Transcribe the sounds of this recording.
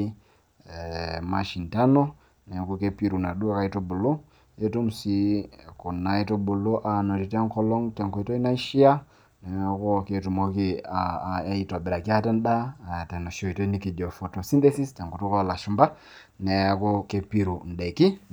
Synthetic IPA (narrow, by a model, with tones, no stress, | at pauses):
ma˨ʃi˨nta˦no˦ | nɛ˨˦ku˦ke˦pi˦ɾu˨na˨ɗu˦a˦ka˦i˦to˦bu˨lo˦ | e˦tu˦msi˦ku˨na˨i˦to˦bu˨lo˦ʔa˨no˨ti˨tɛ˦ŋkɔ˦lɔ˦ŋtɛ˨ŋko˨i˦to˦i˦na˦ʃi˦a˦ | nɛ˨˦ko˦ke˦˨tu˨mo˦ki˦a˨a˦i˦ta˨bɪ˨ɾa˨ki˦a˦tɛ˦nda˦˨tɛ˨no˨ʃo˦˨i˨to˦i˦ni˦ki˨d͡ʒo˨fo˨to˨si˦nte˦si˦stɛ˨ŋko˨to˦kɔ˦˨la˨ʃu˨mba˦ | nɛ˨˦ko˦ke˨pi˦ɾu˨n˨dɛ˨ki˦